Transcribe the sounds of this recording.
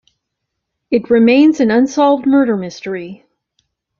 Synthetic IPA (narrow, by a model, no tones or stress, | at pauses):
ɨt̚ɹɨmẽɪ̃nzɨ̃nʌ̃nsɑlˠvd̚mɜ˞ɾə˞mɪstə˞i